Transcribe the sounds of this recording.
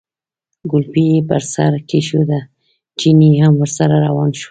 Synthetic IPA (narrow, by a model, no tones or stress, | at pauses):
ɡʊlpiepəɾsa̰ɾkeʃod̪a | t͡ʃiniɦamwəɾsaɾaɾawɑnʃo̥